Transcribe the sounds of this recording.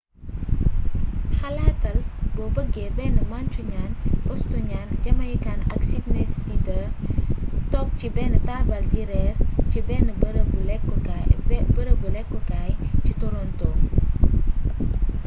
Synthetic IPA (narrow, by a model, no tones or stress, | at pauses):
hɐlatɐlbɔbɐɡebɛnəmant͡ʃuɲanʔɔstɔɲanɟɐmɐjkanɐ̰ksitnesitɐ | tɔk̚cibɛːnətabɐltiɾɛrcibɛnəbɾɡulɛkːɔkabəɾəɡulɛkːɔkajcitɔɾɔnto